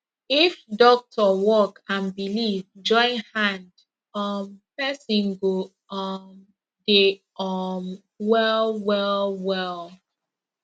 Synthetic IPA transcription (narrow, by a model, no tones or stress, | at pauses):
ifdɔk̚tʰɔwɔkãnbilivd͡ʒɔ̃ɪ̃nhãnd | ɔmpɛsĩnɡo | ɔm | de | ɔm | wɛlwɛlˠwɛl